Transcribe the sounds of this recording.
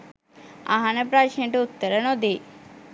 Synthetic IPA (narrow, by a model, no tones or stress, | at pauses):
a̰ɦanəpɾaʃnəʈəut̪ːəɾənod̪e